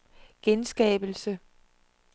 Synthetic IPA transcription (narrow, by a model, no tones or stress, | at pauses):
ɡ̥ensɡ̥ɛ̰ːb̥l̩sə